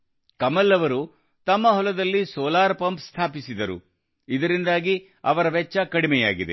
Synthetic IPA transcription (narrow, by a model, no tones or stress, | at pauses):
kɐmɐlːɐʋɐɾu | t̪ɐmːɐɦɔlɐd̪ɐlːisɔːlaːɾpɐmpst̪ʰaːpisid̪ɐɾṵ | id̪ɐɾind̪aːɡi | ɐ̰ʋɐɾɐʋɛt͡ʃːɐkɐɽimɛja̰ːɡid̪ḛ